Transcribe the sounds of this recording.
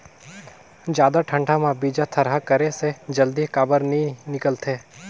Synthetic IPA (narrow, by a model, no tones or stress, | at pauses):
d͡ʒjaːd̪aʈʰə̃ɳɖʰamãbiːd͡ʒat̪ʰɐɾɦakəɾesed͡ʒɐld̪ikaːbəɾnĩnɪkəlt̪ʰeː